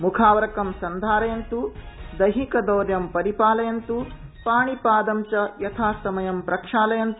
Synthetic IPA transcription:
mukʰaːʋɐɾɐkɐmsɐnd̪ʱaːɾɐjɐnt̪ud̪ɐɦikɐd̪ɐːɾjɐmpɐɾipaːlɐjɐnt̪upaːɳipaːd̪ɐmt͡ʃɐjɐt̪ʰaːsɐmɐjɐmpɾɐkʂaːlɐjɐnt̪u

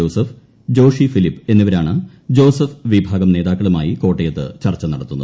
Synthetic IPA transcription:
oːsɐf | d͡ʑo̞ːʂifilipːɨe̞nːiʋɐɾaːɳɨ | d͡ʑo̞ːsɐfʋibʱaːɡɐmne̞ːd̪ðaːkːɐɭumaːjiko̞ːʈːɐjɐt̪ːɨ̰t͡ɕɐrt͡ɕːɐnɐɽɐt̪ːunːu

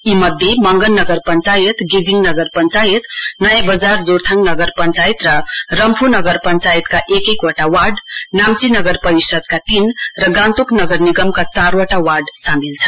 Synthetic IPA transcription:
imʌd̪ʱːjemʌŋɡʌnːʌɡʌrpʌnt͡sajʌt̪ɡid͡ziŋnʌɡʌrpʌnt͡sajet̪nʌjãbʌd͡zard͡zort̪ʰaŋnʌɡʌrpʌnt͡sajt̪rʌrʌmpʰunʌɡʌrpʌnt͡sajit̪kaʔekekwoʈawaɖnamt͡sinʌɡʌrpʌɾisʌd̪̚kat̪inrʌɡãnt̪uknʌɡʌrniɡʌmkat͡sarwʌʈawaɖsamilt͡sʰʌ̥

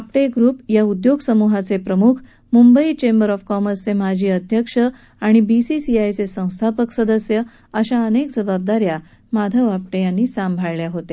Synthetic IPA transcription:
apʈeɡɾuːpjaud̪joɡsəmuɦat͡sepɾəmukʰ | mumbəit͡ɕembəɾɔfkɔməɾst͡semad͡ʑʱiːəd̪ʱjəkʂə | aɽ̃ibisisiajt͡sesə̃w̃st̪ʰapəksəd̪əsjə | əɕaənekd͡zəbab̚d̪aɾja | mad̪ʱəʋap̚ʈejanːiːsambʱaɭljaɦot̪e

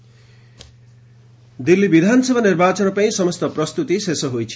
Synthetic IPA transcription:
d̪ilːibid̪ʱansʌbʱanirbat͡sʌnʌpaĩsʌmʌst̪ʌprʌst̪ut̪isesʌɦojt͡sʰi

